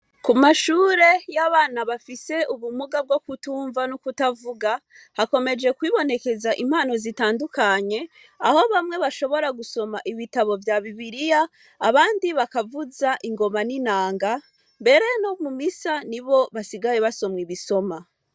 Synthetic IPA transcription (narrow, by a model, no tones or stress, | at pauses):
kumaʃuːɾe̞jaβaːnaβafise̞ʔuβumuɡab̚ɡo̞kutuːɱvanukutavuɡa | hako̞me̞d͡ʒe̞kwiːβo̞ne̞ke̞zaʔim̥haːno̞zitaːndukaɲe̞ | aho̞βamŋe̞βaʃo̞βo̞ɾaɡuso̞maʔiβitaβo̞vjaβiβiɾijaː | βaːndiβakavuzaʔiŋɡo̞maninaːŋɡa | mbe̞ɾe̞no̞mumisaniβo̞βasiɡajeβaso̞mwiβiso̞ma